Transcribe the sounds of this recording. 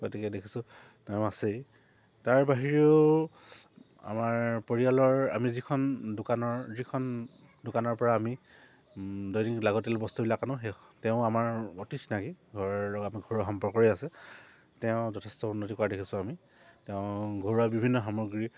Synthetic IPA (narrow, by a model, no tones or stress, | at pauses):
ɡotikɛdekʰi̥sʊ̃ | tɛ̃asej | taɹbaɦiɹio | a̰maɹpoɹialɔɹa̰mizikʰɔndʊkanɔɹzikʰɔn | dʊkanɔɹpɔɹaːmi | dojniklaɡɔtɛlbɔstubilakanʊ̃ɦetɛʊamaɹɔtitʰnakiɡʱɔɹɔɹlɔɡɔamiɡʱoɹaxɔmpɔɹkɔɹiasɛ | tɛʊ̃zɔtʰɛstɔunːotikɔadekʰisʊ̃ami | tɛʊ̃ɡʱoɹuabibʱinːɔxamɔɡɹi